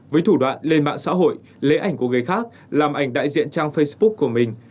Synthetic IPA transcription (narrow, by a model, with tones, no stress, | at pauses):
vəː˨˦jt̪ʰu˧˩ɗwa̰ː˧˨nle˧nɓa̰ː˧˨nsa̰ː˧˥ɦo̰˧˨j | le˨˦ʔa˨˧˩jŋ̟ku˧˩əŋəː˨˩jxaː˦˥k̚ | laː˨˩mʔa˨˧˩jŋ̟ɗa̰ː˧˨jzḭ˧˨ənt͡ɕaː˧ŋfə˧js̚ɓʊ˦˥k̚kːu˧˩əmï˨˩ŋ̟